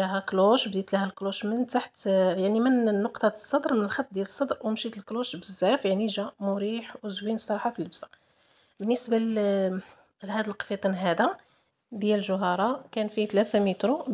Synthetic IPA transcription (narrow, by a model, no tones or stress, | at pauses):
æɦækluʃbd̪it̪læhælkluʃmənt̪aħt̪jaʕnimənːʊqt̪ˤɑsˤːɑd̪ɾˤmənəlxɑt̪̚ːd̪jæləsˤːɑd̪ɾwmʃit̪əlkluʃbəzːæfjaʕniʒæmʊɾiħwzwinsˤːɑɾˤɑħafilːəbsḁ | bənːəsba | lhæd̪əlqfit̪ˤɑnɦæd̪a | d̪jælʒʊɦɑɾˤɑkænfit̪læt̪æmit̪ɾu